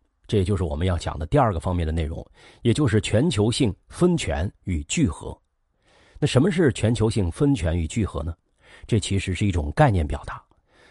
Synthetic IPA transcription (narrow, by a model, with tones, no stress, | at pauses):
ʈ͡ʂɤ˥˩jɛ˨t͡ɕjo˥˧ʊʂɻ̩˥˩wɔ˨˩mə˦njɑ˥˩t͡ɕjɑ̰˨˩ŋd̪ə˦t̪i˥˧ɐ˞˥˩ɡə˩fɑ˥ŋmjɛ˥˩nd̪ə˩ne˥˩ɪɻʊ̰˧˥ŋ | jɛ˨˩t͡ɕjo˥˧ʊʂ̬ɻ̩˥˩t͡ɕʰɥɛ˧˥nt͡ɕʰjo˧˥ʊɕi˥˩ŋfə˥nt͡ɕʰɥɛ̰˧˥ny˨˩t͡ɕy˥˩xɤ̰˧˥ | na˥˩ʂə˧˥mə˧ʂ̬ɻ̩˥˩t͡ɕʰɥɛ˧˥nt͡ɕʰjo˧˥ʊɕi˥˩ŋfə˥nt͡ɕʰɥɛ˧˥ny˨˩t͡ɕy˥˩xɤ̰˧˥nə˧ | ʈ͡ʂɤ˥˩t͡ɕʰi˧˥ʂɻ̩˧˥ʂɻ̩˥˩i˥˩ʈ͡ʂʊ˨˩ŋka˥˧ɪnjɛ˥˩npjɑ˨˩ʊt̪a˧˥